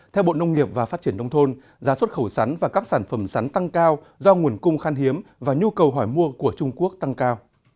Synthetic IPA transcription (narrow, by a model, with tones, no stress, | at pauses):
t̪ʰɛ˧wɓo̰˧˨nə˧wŋ͡mŋi˨˩əp̚vaː˨˩faː˦˥t̚t͡ɕi˧˩ənɗə˧wŋ͡mt̪ʰo˧n | zaː˨˦swə˦˥t̚xə˧˩wsa˨˦ŋ̟vaː˨˩kaː˦˥k̚saː˧˩nfə˧˩msa˨˦jŋt̪a˧ŋkaː˧w | zɔ˧ŋu˨˩ənkʊ˧ŋ͡mxaː˧nɦi˨˦əmvaː˨˩ɲu˧kə˨˩wɦɔ˧˩jmu˧əku˧˩ət͡ɕʊ˧ŋ͡mku˦˥ək̚t̪a˧ŋkaː˧w